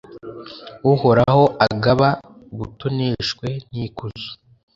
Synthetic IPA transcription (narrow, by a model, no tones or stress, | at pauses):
uhoɾaho̞ʔaɡaβa | βutuniːʃkwe̞nikuzu̥